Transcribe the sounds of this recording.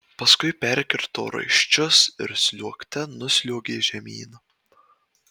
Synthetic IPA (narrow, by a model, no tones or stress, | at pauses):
pɐskʊɪpʲɛɾʲkʲɪɾt̪o̰ːɾɐ̰ɪʃʲt͡ʃʲʊsɪɾsʲlʲuɔkt̪ʲɛnʊsʲlʲuːɡʲeːʒʲɛmʲḭːnɐ